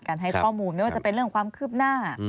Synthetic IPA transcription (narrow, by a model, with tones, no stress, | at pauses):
kaː˧nɦa˥˩jkʰɔː˥˩muː˧nma˥˩waː˥˧t͡ɕa˧˩pe˧nɾɯ˥˩əŋkʰwaː˧mkʰɯː˥˩p̚naː˥˩